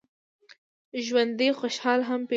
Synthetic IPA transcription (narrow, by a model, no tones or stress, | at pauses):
ʒwand̪ixoʃhɑlɦampe